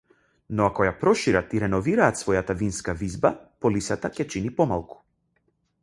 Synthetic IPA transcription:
nɔakɔjapɾɔʃiɾat̪iɾɛnɔviɾaːt̪svɔjat̪avinskavizbapɔlisat̪acɛt͡ʃinipɔma̰lˠku̥

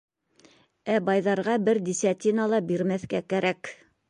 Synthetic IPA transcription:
æbɑjðɑɾʁɑbɘɾd̪ʲisʲat̪ʲinɑlˠɑbiɾmæθkækæɾæk

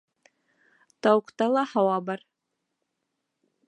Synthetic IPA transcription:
t̪ɑwɤ̆qt̪ɑlˠɑhɑwɑbɑɾ

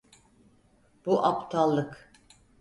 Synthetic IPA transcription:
b̥uʔapt̪ʰalˠːɯk

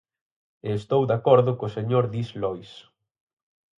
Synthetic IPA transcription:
eːst̪owd̪akɔɾðʊkʊseɲoɾðislɔjs

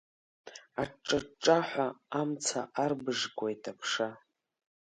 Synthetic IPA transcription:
aʈ͡ʂʼaʈ͡ʂʼaħʷaamt͡sʰaʔarbɨʐɡʷʼojtʰʼapʰʂa

